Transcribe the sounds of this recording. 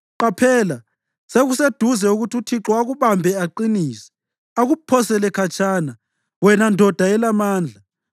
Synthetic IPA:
ǃapʰɛːla | seɣused̥ʱuzɛuɣutiutʰiǁɔaɣuβambʱɛaǃiniːsɛ̥ | aɣupʰɔsɛlɛkʰat͡ʃʰʼana | wɛnandʱɔd̥ʱaɛlamaːnd͡ɮʱa

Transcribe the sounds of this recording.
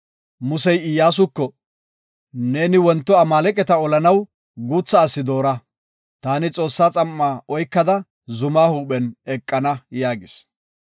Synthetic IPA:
mʊsɛjɪjːaːs̬ʊkːɔ | ne̞ːnɪwɔnt̪ːɔɐmaːlɛkʼɛt̪ɐɔlɐnɐw | ɡuːt͡sːɐːsːɪd̪o̞ːɾɐ | t̪aːnɪt͡sʼo̞ːsːaːt͡sʼɐmːaːʔɔjkːɐd̪ɐ | zʊmaːhuːɓɛnɛkʼːɐnɐjaːɡɪs

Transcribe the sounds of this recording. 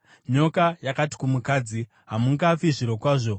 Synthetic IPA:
ɲo̞kajakati̥kumukaːd͡zi | ɦamuŋɡaːfiʐiɾokwaːʐo̞

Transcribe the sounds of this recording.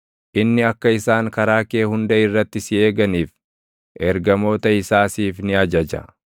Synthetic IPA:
ʔɪnːɪɐkːɐɪsaːŋkɐɾaːke̞ːhʊnd̪ɐɪrːɐt̪ːɪsɪe̞ːɡɐniːf | ʔɛɾɡɐmo̞ːt̪ɐɪsaːsiːfnɪɐd͡ʒɐd͡ʒɐ̰

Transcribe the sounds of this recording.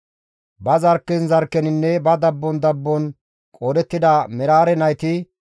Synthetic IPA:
bɐzɐɾkːɪnzɐɾkːɛnɪnːɛbɐd̪ɐbːɔnd̪ɐbːɔn | kʼoːd̪ɛt̪ːɪd̪ɐmɛɾaːɾɛnɐjt̪ɪ

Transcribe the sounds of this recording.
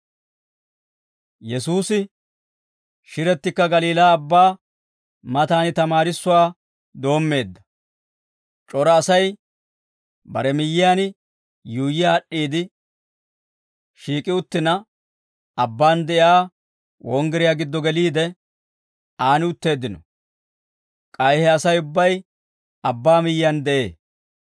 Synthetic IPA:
jɛsuːsɪ | ʃɪɾɛt̪ːɪkːɐɡɐliːlaːbːaː | mɐt̪aːnɪt̪ɐmaːɾɪsːʊwaː | d̪o̞ːmːe̞ːd̪ːɐ | t͡ʃʼɔɾɐːsɐj | bɐ̰ɾɛmɪjːɪjaːn | juːjɪjaːɗːiːd̪ɪ | ʃiːkʼɪʊt̪ːɪnɐ | ɐbːaːnd̪ɛʔɪaː | wɔŋɡɛɾɪjaːɡɪd̪ːɔɡɛliːd̪ɛ | aːnɪʊt̪ːe̞ːd̪ːɪnɔ̰ | kʼɐjhɛɐsɐjʊbːɐj | ɐbːaːmɪjːɪjand̪ɛʔe̞̰ː

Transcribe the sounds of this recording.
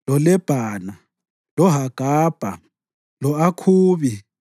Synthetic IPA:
lɔlɛb̥ʱaːna | lɔɦaɡ̥ʱaːb̥ʱa | lɔakʰuːβi

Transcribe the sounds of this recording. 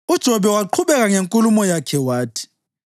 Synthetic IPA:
ud̥ʒ̥ʱɔɓɛwaǃʰuβɛɣaŋeŋkʼulumɔjakʰɛwaːtʰi̥

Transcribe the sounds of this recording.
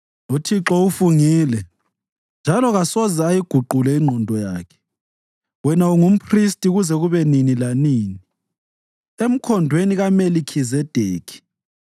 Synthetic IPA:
utʰiǁɔufuŋiːlɛ | nd͡ʒʱalɔɣasɔzaajiɡ̥ʱuǃulɛiŋ͡ǃʱɔndʱɔja̰ːkʰɛ̥ | wɛnauŋum̩pʰristʼiɣuzɛɣuβɛninilaniːni | em̩kʰɔndʱweniɣamelikʰizɛd̥ʱeːkʰi̥

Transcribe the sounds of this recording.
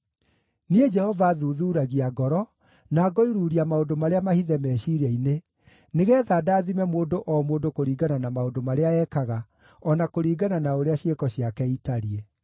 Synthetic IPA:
nied͡ʒɛhɔvaðuːðuːɾaɣiaɡɔɾɔ | naːɡɔiɾuːɾiamaodomaɾeamahiðɛmɛːʃiɾɛine | neɣɛːðaːdaːðimɛmoːndoʔɔmoːdokoɾiːɡananamaodomaɾeaɛːkaɣa | ɔnakoɾiːɡananaoɾeaɕekɔɕjakɛitaɾie

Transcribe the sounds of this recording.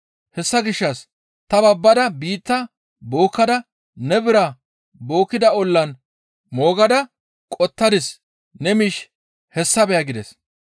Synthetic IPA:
hɛsːɐɡɪʃːɐs | t̪ɐbɐbːɐd̪ɐbiːt̪ːɐ | bo̞ːkːɐd̪ɐ | nɛbɪɾɐ | bo̞ːkːɪd̪ɐɔlːɐn | mo̞ːɡɐd̪ɐ | kʼɔt̪ːɐd̪ɪs | nɛmiʃ | hɛsːɐbɛjɐɡɪd̪ɛs

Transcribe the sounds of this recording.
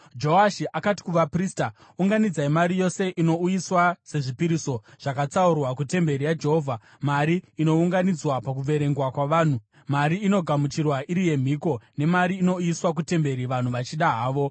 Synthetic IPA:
d͡ʒo̞aʃiʔakati̥kuʋapriːsta | uŋɡanid͡zaimaɾijo̞se̞ʔino̞ujiswase̞ʐipiɾiso̞ʐ̥akat͡saurwakute̞mbe̞ɾijad͡ʒe̞ɦo̞vʱa | maɾiino̞uŋɡanid͡zwapak̬uʋe̞ɾe̞ŋɡwakwaʋaːn̤u | maɾiːno̞ɡʱamut͡ʃirwaʔiɾije̞m̤iko̞ne̞maɾiːno̞ujiswak̬ute̞mbe̞ɾiʋan̤uʋat͡ʃiɗaɦaːʋo̞

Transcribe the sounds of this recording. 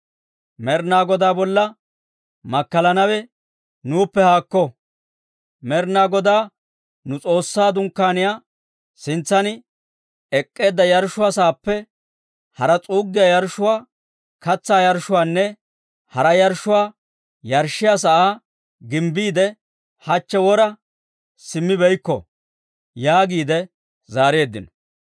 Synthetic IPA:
mɛɾnaːɡɔd̪aːbɔlːɐ | mɐkːɐlɐnɐwɛ | nuːpːɛhaːkːɔ | mɛɾnaːɡɔd̪aː | nʊt͡sʼo̞ːsːaːd̪ʊŋkːaːnɪjaː | sɪnt͡sːɐnɪ | ɛkʼːe̞ːd̪ːɐjɐɾʃʊwaːsaːpːɛ | hɐɾɐt͡sʼuːɡːɪjajɐɾʃʊwaː | kɐt͡sːaːjɐɾʃʊwaːnːɛ | hɐɾɐjɐɾʃːʊwaː | jɐɾʃːɪjas̬ɐʔaː | ɡɪmbiːd̪ɛ | hɐt͡ʃːɛwɔɾɐ | sɪmːɪbɛjkːɔ̰ | jaːɡiːd̪ɛ | zaːɾɪjeːd̪ːɪnɔ

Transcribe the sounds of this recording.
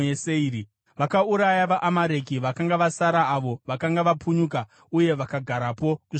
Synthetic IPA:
eseiːɾi | ʋakauɾajaʋaʔamaɾe̞kiʋakaŋɡaʋasaɾaːʋo̞ʋakaŋɡaʋapuɲuka | uje̞ʋakaɡʱaɾapo̞ku

